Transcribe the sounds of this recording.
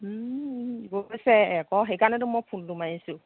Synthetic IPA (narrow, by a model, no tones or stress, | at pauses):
bosɛɛkɔɦejkanɛtʊmɔjpʰundumajisʊ̃